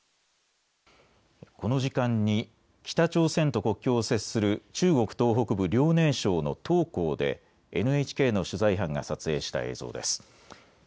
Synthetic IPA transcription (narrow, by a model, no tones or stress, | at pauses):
ko̞no̞ʑikãɲ̟ːi | kʲi̥t̪at͡ɕo̞ːsẽ̞nt̪o̞ko̞kʲːo̞ːse̞ssɨɾɯ̟t͡ɕɨːɡo̞kɯ̟̥t̪o̞ːɦo̞kɯ̟bɯ̟ɾʲo̞ːne̞ːɕo̞ːno̞̰t̪o̞ːko̞ːd̪e̞̰ | ḛnɯ̟e̞t͡ɕi̥ke̞ːno̞ɕɨzaiɦãŋɡa̰sat͡sɨe̞ːɕi̥t̪a̰e̞̰ːz̥o̞̰ːd̪e̞̰sɨ̥